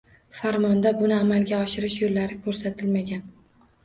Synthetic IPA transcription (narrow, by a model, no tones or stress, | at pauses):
faɾmɒnd̪abʊnɪamalɡʲaɒʃɪɾɪʃjolːaɾɪkʰɵɾsat̪ʰɪlmaɡʲan